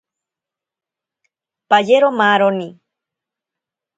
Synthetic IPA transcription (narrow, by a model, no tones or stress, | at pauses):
pajeɾomaːɾoni